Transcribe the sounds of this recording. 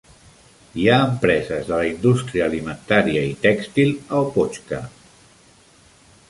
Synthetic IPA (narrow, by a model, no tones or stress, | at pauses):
iaəmpɾɛzəzðələind̪ust̪ɾiəːlimənt̪aɾiəit̪ɛkst̪ilˠəlpot͡ʃkə̰